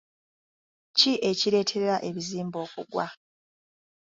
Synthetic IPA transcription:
ciʔe̞ciɾe̞ːtʰe̞ɾeɾaʔe̞βiziːmbo̞ːkṵɡwa̰

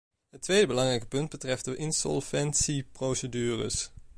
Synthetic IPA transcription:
ɦətʋejdəbəlɑŋrɛjkə̥pɵnd̚bətrɛfdəʔɪnsɔ̰lˠvɛnsiprowsədyːrə̰s

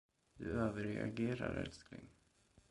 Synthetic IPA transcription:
d̪̥ɵøːvəɾɛaɡeːɾaɾɛlsklɪŋ

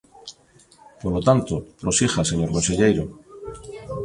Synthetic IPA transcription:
poɾlot̪ant̪opɾosixaseɲo̞ɾkonse̞ʎejɾo

